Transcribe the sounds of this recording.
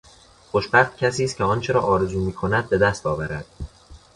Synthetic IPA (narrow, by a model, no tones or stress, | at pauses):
χoʃbæχt̪̚cʰæsiːst̪̚cʰeɒːnt͡ʃʰeɾɒːʔɒːɾe̞zuːmiːkʰo̞næd̪̚be̞d̪æst̪ɒːvæɾæd̪̥